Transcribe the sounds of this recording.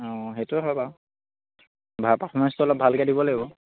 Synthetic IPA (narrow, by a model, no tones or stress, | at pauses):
ɔ̃ɦetuɦaba | bʱapapʰɔmɛnstɔlɔbʱalkɛdibɔlɛbɔ